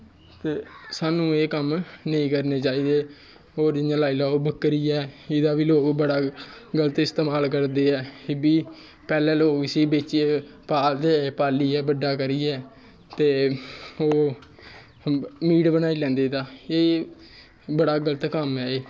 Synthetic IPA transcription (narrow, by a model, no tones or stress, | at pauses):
t̪eːsaːnũːeːkəmnəĩːkəɾneːt͡ʃaːiːd̪eː | oːɾd͡ʒɪãːlaːiːlaːoːbəkːɾiːɛːɪd̪aːʋiːloːɡbəɽaːɡələt̪ɪst̪eːmaːlkəɾd̪eːɛːbiː | pɛːlɛ̃ːloːɡɪsiːbeːt͡ʃieːpaːd̪epaːliːɛːbəɖaːkəɾiːɛː | t̪eːoː | miːɽbənaːiːlɛ̃ːnd̪eːd̪aːeː | bəɽaːɡələt̪kəmɦɛːeː